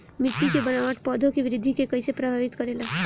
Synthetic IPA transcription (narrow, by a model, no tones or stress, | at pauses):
mɪʈːikebənaʋəʈ̪pɔd̪ʱõkeʋɪɾɪd̪ʱːikekəjsepɾəbʱaʋit̪kəɾela